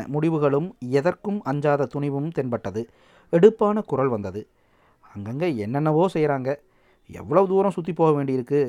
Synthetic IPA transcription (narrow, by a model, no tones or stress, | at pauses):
mʊɽɪʋɯɣɐɭɯmɛðɐrkɯmɐɲd͡ʒaːðɐt̪ʊɳɪʋɯmt̪ɛnpɐʈːɐðɯ | ɛɽɯpːaːnɐkʊɾɐlʋɐnd̪ɐðɯ | ɐŋɡɐŋɡɐɛnːɐnːɐʋoːsɛjɾaːŋɡɐ | ɛ̰ʋːɐɭɐʋɯd̪uːɾɐ̃msʊt̪ːipːoːɣɐʋeːɳɖɪɪɾɯkːɯ